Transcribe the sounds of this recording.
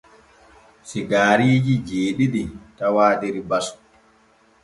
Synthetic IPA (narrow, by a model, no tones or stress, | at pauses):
siɡaːɾiːd͡ʒid͡ʒeːɗiɗitawaːɗiɾibasɔ̥